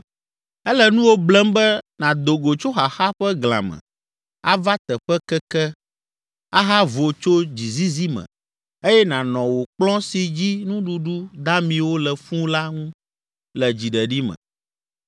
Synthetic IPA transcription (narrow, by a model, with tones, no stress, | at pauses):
ɛ˦lɛ˦nũ˦wo˦blɛ˦mbɛ˦nã˨d̪o˨ɡo˨t͡ʃo˦xa˨xa˦ɸɛ˦ɡl̃ã̰˨mɛ̰̃˨ | a˦va˦t̪ɛ˨ɸɛ˦kɛ˦kɛ˦ | a˦ɦa˦vo˨t͡ʃo˦d͡ʑi˨zi˦zi˦mɛ̰̃˨ | e˦jɛ˦nã˨nɔ̃˨wo˨k͡plɔ̃˦si˨d͡ʑi˦nũ˦ɖu˦ɖu˦d̪a˦mĩ˨wo˦lɛ˨ɸũ˦la˦ŋũ˦ | lɛ˨d͡ʑi˨ɖɛ˨ɖi˦mɛ̰̃˨